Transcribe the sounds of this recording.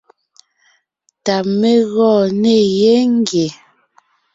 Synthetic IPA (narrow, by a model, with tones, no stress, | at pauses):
ta˨me˦ɣɔ˦˨ne˦˨jɛ˦ŋ̩˦ɡje˨